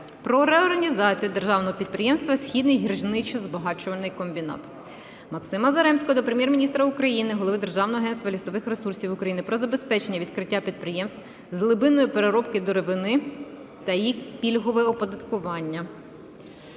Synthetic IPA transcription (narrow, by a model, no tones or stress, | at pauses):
pɾɔɾɛɔrɦɐnʲizɑt͡sʲijʊd̪e̞rʒɑwnɔɦɔpʲid̪̚pɾɪjɛmst̪ʋɐsʲxʲid̪nɪjɦirʒnɪt͡ʃɔzbɐɦɑt͡ʃʊʋɐnɪjkɔmʲbʲinɑ̰t̪ | mɐksɪmɐzɐɾɛmsʲkɔd̪ɔpɾemjɛrmʲinʲist̪ɾɐʊkɾɐjinɪɦɔlˠɔʋɪd̪e̞rʒɑwnɔɦɔɐɦɛnst̪ʋɐlʲisɔʋɪxresursʲiwʊkɾɐjinɪpɾɔzɐbespɛt͡ʃe̞nʲːɐʋʲid̪kɾɪtʲːapʲid̪̚pɾɪjɛmst̪ʋ | zlˠɪbɪnɔjipeɾeɾɔpkɪd̪ɔɾeʋɪnɪ | t̪ɐjixpʲilʲɦɔʋɛɔpɔd̪ɐt̪kʊʋɑnʲːɐ